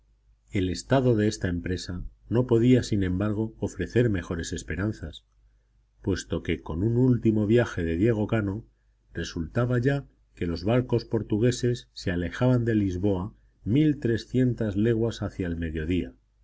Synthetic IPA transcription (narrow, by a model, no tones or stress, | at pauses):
e̞le̞st̪að̞o̞ðe̞est̪ae̞mpɾe̞sa | no̞po̞ðiasinẽ̞mbaɾɣ̞o̞ːfɾe̞θe̞ɾme̞xo̞ɾe̞se̞spe̞ɾan̟θas | pwe̞st̪o̞ke̞ko̞nunult̪imo̞βjaxe̞ðe̞ðje̞ɣ̞o̞kano̞ | re̞sult̪aβaʝa | ke̞lo̞zβaɾko̞spo̞ɾt̪uɣe̞se̞sːe̞ale̞xaβand̪e̞lizβo̞a | milt̪ɾe̞sθje̞nt̪azle̞ɣwasaθjaelme̞ðjo̞ð̞ia